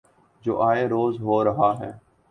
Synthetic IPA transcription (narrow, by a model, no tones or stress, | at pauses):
d͡ʒo̰ːʔaːeːɾoːzɦoːɾəɦaːɦɛː